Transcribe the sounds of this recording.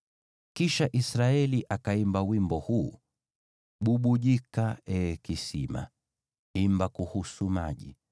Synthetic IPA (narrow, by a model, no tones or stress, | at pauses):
kiʃaʔisɾaɛliʔakaimbawimbɔhuː | ɓuɓuʄikaɛkisḭma̰ | imbakuhusuma̰ʄḭ